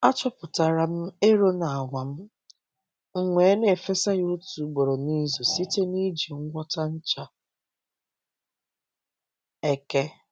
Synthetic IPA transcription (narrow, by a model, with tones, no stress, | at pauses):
a˦t͡ʃɔ˦pʊ˨ta˨ɾa˨m̩˦e˦ɾo˦na˨a˨ŋʷa˨m̩˦ | ŋ̩˨ŋʷe˨˦ne˨fe˦sa˦ɣo˦tu˨ɡ͡bo˨ɾo˨ni˦zo˨si˦te˦ni˦d͡ʒi˨ŋ̩˦ɡʷɔ˦ta˦n̩˦t͡ʃa˨ | e˨ke˦